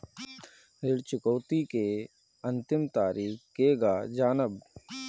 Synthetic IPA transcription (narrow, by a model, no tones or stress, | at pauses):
ɾɪɽt͡ʃʊkəːt̪ike | ə̃nt̪ɪmt̪aːɾiːkkeːɡaːd͡ʒaːnəb